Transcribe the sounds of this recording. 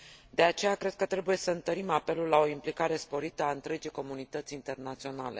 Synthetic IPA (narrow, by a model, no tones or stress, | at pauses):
d̪e̞at͡ʃe̞jakɾe̞d̪̚kət̪ɾe̞buje̞səɨnt̪əɾimape̞lulːao̞implikaɾe̞spo̞ɾit̪əaɨnt̪ɾe̞d͡ʒiko̞munit̪ət̪sʲint̪e̞rnat̪sio̞na̰le̞̰